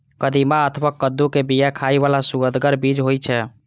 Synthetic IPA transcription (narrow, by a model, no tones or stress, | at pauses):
kəd̪imaət̪ʰβakːəd̪ːukebijakʰaiʋalasuɡəd̪ɡəɾbid͡ʒɦojt͡ʃʰɛ